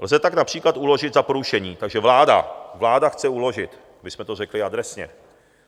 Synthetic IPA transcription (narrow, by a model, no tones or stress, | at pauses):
lzɛt̪aknapr̥iːklat̪ʔulo̞ʒɪd̪zapoɾuʃɛɲiːt̪aɡʒɛvlaːda̰vlaːdaxt͡sɛulo̞ʒɪt̪ | bɪsmɛt̪orɛklɪad̪ɾɛsɲɛ̰